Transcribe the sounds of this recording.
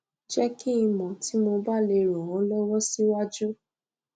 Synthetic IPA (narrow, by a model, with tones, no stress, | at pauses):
d͡ʒɛ˦ki˦i˧mɔ̃˨ti˨˦mo˧ba˦le˧ɾũ˨ɔ̃˨˦lɔ˦wɔ˦si˦wa˦d͡ʒu˦